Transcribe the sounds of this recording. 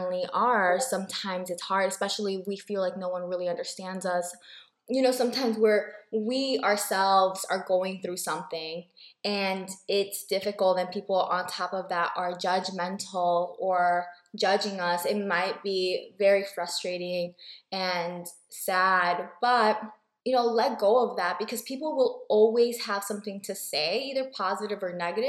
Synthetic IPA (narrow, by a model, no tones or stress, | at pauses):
nliʔə˞sʌ̃mtʰãɪ̃mzɨtshɑɹɾɨspɛʃl̩ˠiwifilaɪk̚noʊwʌ̃nɹɪlˠiʌ̃ndə˞stæ̃ndzʌs | jɨñoʊsʌ̃mtʰãɪ̃mzwɪɹwiə˞sɛlˠvz̥ə˞ɡoʊɪ̃ŋθɹʉsʌ̃mθɪ̃ŋɨ̃nɪtsd̥ɪfɨkl̩ˠt̪̚ðɨ̃npʰipl̩ˠə̃ntʰɑpʌvðæɾʔə˞d͡ʒʌd͡ʒmɛ̃ntʰl̩ˠə˞d͡ʒʌd͡ʒɪ̃ŋʌsɪt̚maɪt̚b̥ivɛɹifɹʌstɹ̥eɪɾɪ̃ŋɨ̃n | sæd̚b̥ʌt̚ | jɨnoʊlɛt̚ɡ̥oʊʌvðæt̚b̥ɨkʰʌz̥pʰipl̩ˠwɪlˠɔlˠwiz̥əv̥sʌ̃mθɪ̃ŋtʰɨseɪiðə˞pʰɑzɨɾɨvə˞nɛɡɨɾɨ